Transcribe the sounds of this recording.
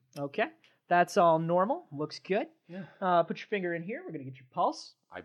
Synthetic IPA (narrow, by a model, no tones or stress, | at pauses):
oʊkʰeɪ | ðætsɔlˠnɔɹml̩ˠlʊksɡ̥ʊd̥̚ʌpʰʊt͡ʃə̥˞fɪ̃ŋɡə˞ɨ̃nɦiɹwɨɹɡʌnɨɡɛt͡ʃə˞pʰʌlˠs | aɪ